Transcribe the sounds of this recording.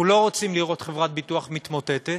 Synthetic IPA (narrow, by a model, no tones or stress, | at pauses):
ulo̞ʁot͡simliʁo̞t̪χevʁat̪̚bit̪uaχmit̪mo̞t̪et̪e